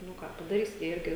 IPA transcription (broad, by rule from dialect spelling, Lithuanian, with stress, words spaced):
nʊ ˈkɑː pɐdɐˈrʲiːsʲɪ jiɛ ˈɪrʲɡʲɪ